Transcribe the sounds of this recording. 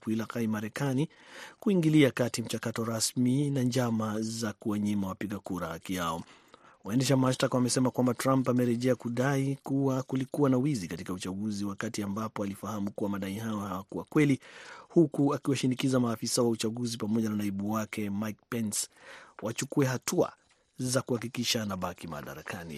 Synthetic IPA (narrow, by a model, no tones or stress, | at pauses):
kuilakaimaɾɛkanikuiŋɡiliakatim̩t͡ʃakatɔɾasminaɲd͡ʒamazakuwaɲimawapiɠakuɾahakiaɔ | waɛndɛʃamaʃtakwamɛsɛmakwambatɾãmpamɛɾɛʄɛakuɗaikuwakulikuwanawizikatikaut͡ʃaɡuziwakatiambapɔalifahamukuwamaɗaiɦajɔhawakuwakwɛlihukuakiwaʃinikizamaːfisawaut͡ʃaɡuzipamɔʄananaiɓuwakʰɛmajk̚pɛnswat͡ʃukuɛɦatʰua̰ | zakuhakikiʃanaɓakima̰ɗa̰ɾakanḭ